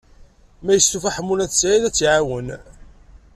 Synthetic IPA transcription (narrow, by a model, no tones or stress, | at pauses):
mæjəst̪ufæħəmːunæðsʕiðæt͡sːʕawən